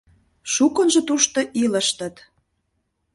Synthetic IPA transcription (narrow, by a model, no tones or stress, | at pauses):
ʃukənʒɤ̆t̪uʃt̪ŏʔilə̆ʃt̪ə̆t̪